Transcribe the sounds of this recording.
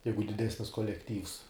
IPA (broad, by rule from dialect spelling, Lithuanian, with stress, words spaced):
ˈjɛɪɡʊ dʲɪˈdʲæːsʲnʲɪs koːlʲɛkˈtʲiːws